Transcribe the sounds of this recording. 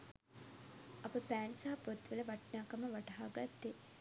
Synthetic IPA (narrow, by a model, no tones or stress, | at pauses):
ʔɐpəpæːnsaɦɐpot̪ʋeləʋaʈnaːkɐməʋaʈaɦaːɡat̪ːe